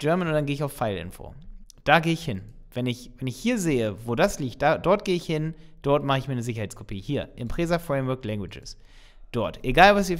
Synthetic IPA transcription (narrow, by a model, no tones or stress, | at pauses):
d͡ʒ̥ɛɐmənʊntd̥anɡeːɪçaʊfːaɪlʔɪ̰nfo̰ːd̥aːɡeːəɪçhɪnvɛnɪçvɛnɪçhiːɐzeːəvoːdasliːkt̚d̥aːdɔɐt̚ɡ̥eːəɪçhɪnd̥ɔɐtmaχəɪçmiːɐnəzɪç̬ɐɦaɪt͡skʰopʰiːhiːɐʔɪmpʁ̥eːzafʁ̥ɛɪmvœɐklɛŋɡvwɪd͡ʒə̰s | d̥ɔɐtʔeɡaːlvasv̥iːɐ